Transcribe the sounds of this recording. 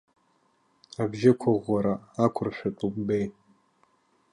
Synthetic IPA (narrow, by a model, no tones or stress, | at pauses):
abʒɪkʷʰaʁʷːaɾaakʷʰʊrʃʷᶣatʼubbej